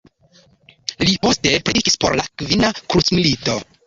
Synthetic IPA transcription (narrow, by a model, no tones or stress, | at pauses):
lipo̞ste̞pɾediki̥spo̞ɾlakvinakɾusmilito̞